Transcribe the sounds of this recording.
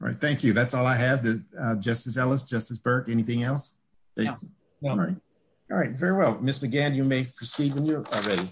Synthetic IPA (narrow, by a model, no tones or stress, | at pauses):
ɹa̰ɪt̪̚θæ̃ŋkjʉðætsɔlˠaɪɨvdɨʌd͡ʒʌstɨsɛlˠəsd̥ʒ̥ʌstɨsb̥ɜ˞kɛniθɪ̃ŋɛlˠs | b̥eɪ | ɹaɪt̚ | ɑɹaɪtvɛɹiwɛlˠmɪsmɨɡæ̃njɨmeɪpʰə˞sivɨ̃njəl̩ˠɹɛɾi